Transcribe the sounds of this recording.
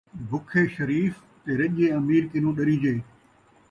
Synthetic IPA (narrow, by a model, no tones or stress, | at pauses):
bʱʊkʰeːʃəɾiːf | t̪eːɾɐʄeːəmiːɾkɪnũːɗəɾiːd͡ʒeː